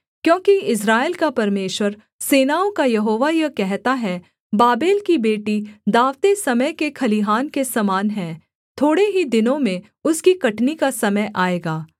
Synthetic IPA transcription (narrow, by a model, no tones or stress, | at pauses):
kjõːkiɪs̬ɾaːelkapɐɾmeːʃwəɾ | seːnaːõkajɐɦoːʋajɐkɛɦt̪aɦɛ | baːbeːlkibeːʈid̪aːʋt̪esɐməjkekʰɐliɦaːnkesɐmaːnɦɛ̃ː | t̪ʰoːɽeɦid̪ɪnõmẽ | ʊskikɐʈnikasɐməjʔaːeːɡaː